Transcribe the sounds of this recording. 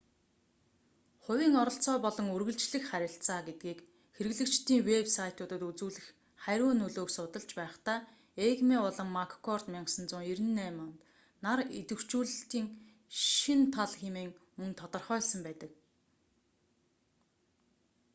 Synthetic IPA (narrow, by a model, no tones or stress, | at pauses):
χʊ̟wʲiːŋɔɾɞ̆ɬt͡sɔːpɔɮɞ̆ŋurɣɘ̆ɮt͡ɕɮɘ̆xχæɾʲɪ̆ɬt͡saːɡet̪̚ɡiːk | xeɾɘ̆ɣɮɘ̆kt͡ɕt̪iːŋwepsajʰt̪ʊːt̪ə̆t̪ut͡suːɮɘ̆x | χæɾʲʊːnɵɮoːksʊt̪ə̆ɮt͡ɕpæːχt̪aː | eɣmeɔɮɞ̆ŋmakʰkʰɔrt̪mʲaɴqsə̆nt͡sʊːŋeɾɘ̆nːæːmɔnt̪ | naɾet̪ɘ̆w̥t͡ɕuːɮɘ̆ɬt̪iːŋ | ʃʃint̪ʰaɮxemeːŋmɵnt̪ʰɔt̪ɞ̆rχœːɮsə̆mpæːt̪ə̆k